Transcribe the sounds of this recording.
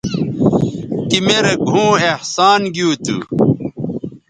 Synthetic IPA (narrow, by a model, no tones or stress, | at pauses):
kimeɾeɡʱũːehsaːnɡjuːt̪ṵ